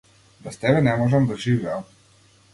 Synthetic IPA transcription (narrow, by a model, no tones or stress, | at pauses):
bɛst̪ɛbɛnɛmɔʒɛmd̪aʒivɛam